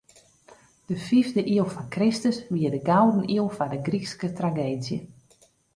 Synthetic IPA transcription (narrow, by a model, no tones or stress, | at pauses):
d̥əfivdəʔiəlˠfɔnkrɪstəsʋiədəɡawdən̩iəlˠfadəɡrikskətraɡeːdjə̰